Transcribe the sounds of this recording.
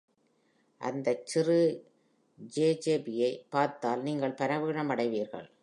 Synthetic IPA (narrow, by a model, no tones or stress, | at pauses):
ʔɐ̰nd̪ɐt͡ʃːɪrɯ | d͡ʒeːd͡ʒeːbɪjɐɪpːaːɾt̪aːlniːŋɡɐɭpɐnɐʋɯːɻɐmɐɽɐɪʋiːɾɣɐ̰ɭ